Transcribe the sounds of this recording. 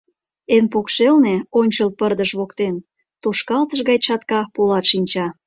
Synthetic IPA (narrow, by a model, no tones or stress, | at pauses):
enpokʃelneonʲt͡ɕəlpərd̪əʃβokt̪en | t̪oʃkɑlt̪əʒɣɑjt͡ɕɑt̪kɑpolɑt̪ʃinʲt͡ɕɑ